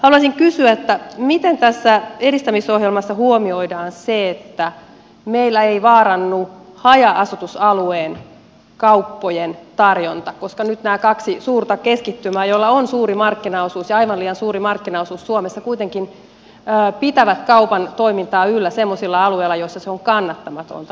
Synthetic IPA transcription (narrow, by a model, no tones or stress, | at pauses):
hɑluɑsiŋkysyæet̪ːæmit̪ent̪æsːæeɾist̪æmisoɦjelmɑsːɑhuomioidɑːnseet̪ːæ | meilːæeiʋɑːɾɑnːuhɑjɑʔɑsut̪usɑlueːn | kɑupːojent̪ɑrjont̪ɑkoskɑnyt̪næːkɑksisuːrt̪ɑkeskit̪ːymæːjolːɑonsuːrimɑrkːinɑosuːsjɑɑiʋɑnliːɑnsuːɾimɑrkːinɑosuːsːuomesːɑkuit̪eŋkinː | pit̪æʋæt̪kɑupɑnt̪oimint̪ɑːylːæsemːosilːɑɑlueilːˑɑjosːɑseoŋkɑnːɑt̪ːɑmɑt̪o̰nt̪